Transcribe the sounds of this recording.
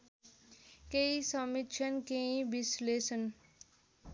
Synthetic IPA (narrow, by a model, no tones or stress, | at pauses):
keisʌmit̪t͡ʃʰənkẽĩbisleːsən